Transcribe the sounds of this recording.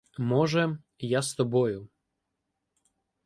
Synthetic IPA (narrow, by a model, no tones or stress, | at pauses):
mɔʒɛ | jast̪ɔbɔjʊ